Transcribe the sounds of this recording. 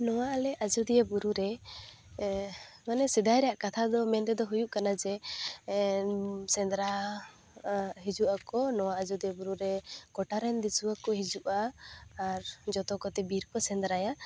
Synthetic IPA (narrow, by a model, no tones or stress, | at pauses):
nɔwaʔalɛʔad͡ʒud̪ijabuɾuɾɛ | manɛsɛd̪ajɾɛjaʔkat̪ʰad̪ɔmɛnt̪ɛd̪ɔɦujuʔkanad͡ʒɛ | sɛnd̪ɾa | ɦid͡ʒuʔakɔnɔwaʔad͡ʒud̪ijebuɾuɾɛkɔʈaɾɛnd̪isuakɔɦid͡ʒuʔaː | ɾd͡ʒɔt̪ɔkɔt̪ɛbiɾkɔsɛnd̪ɾaja